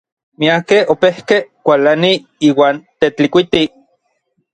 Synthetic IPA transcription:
miakehopehkekʷalani | iːwaːnt̪et͡ɬikʷit̪i

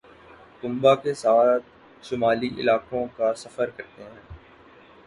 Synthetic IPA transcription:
t̪ʊ̃mbakesaːt̪̚ | ʃʊmaːliʔɪ̰laːkõkasɐfəɾkɐɾt̪eɦɛ̃ː

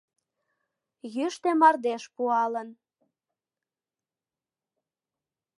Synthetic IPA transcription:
jyʃt̪emɑrd̪eʃpuɑlən

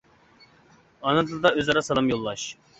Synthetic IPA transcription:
ɑnɨd̪ʰɨlˠɨd̪ɑøzɑɾɑsɑlˠɑmjolˠːɑʃ

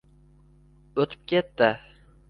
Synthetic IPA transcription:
ɵt̪ʰɪ̥p̚kʲʰet̪ːɪ

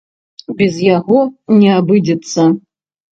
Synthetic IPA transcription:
bʲɛzjaɣɔnʲɛabɨdʲɛt̪t͡sːɐ

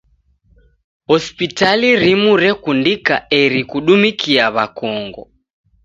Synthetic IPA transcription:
hɔspitaliɾimuɾɛkundikaɛɾikuɗumikiaβakɔŋɡɔ

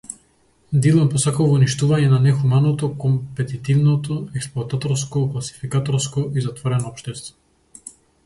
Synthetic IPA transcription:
d̪ilˠɔmpɔsakalˠvɔniʃt̪uvaɲɛnanɛxumanɔt̪ɔkɔmpɛt̪it̪ivnɔt̪ɔɛksplˠoat̪at̪ɔɾskoklˠasi̥fikat̪ɔɾskoʔizat̪vɔɾɛnɔɔpʃt̪ɛst̪vɔ

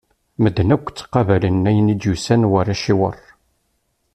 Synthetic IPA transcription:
məd̪ːnækʷːt͡sːqːɑvælənːæjənid̪jusænwæræʃiwə̰rˤ

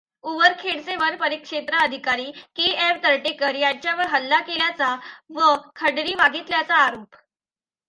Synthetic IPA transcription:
uʋəɾkʰeɽt͡seʋəɾpəɾikʂet̪ɾəəd̪ʱikaɾiːkieʋt̪əɾʈekəɾjaɲt͡ɕjaʋəɾɦəlːakeljat͡saʋəkʰəɽɾiːʋaɡʱit̪ljat͡saːɾoːp

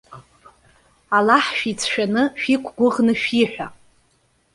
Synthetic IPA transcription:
alaħʃᶣit͡sʰʃᶣanɨʃᶣikʷʰɡʷʊʁnɨʃᶣiħʷᶣa

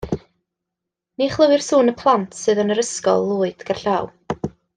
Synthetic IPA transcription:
niχlˠəwɨrsuːnəpʰlˠantʰsɨːðənəɾəskɔ̰lˠːuːɨd̥ɡ̥arɬaw

